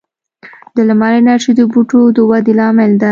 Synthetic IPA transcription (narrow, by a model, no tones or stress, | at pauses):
d̪əlamaɾenaʃid̪əbuʈod̪əwad̪ɪlɑmɪld̪a